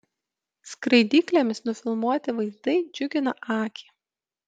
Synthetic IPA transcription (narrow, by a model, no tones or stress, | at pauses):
skɾɐɪd̪ʲiːklʲemʲɪsnʊfʲɪlˠmuɔt̪ʲɪʋɐɪzd̪ɐɪd͡ʒʲʊɡʲɪnɐʔɑːkʲi̥ː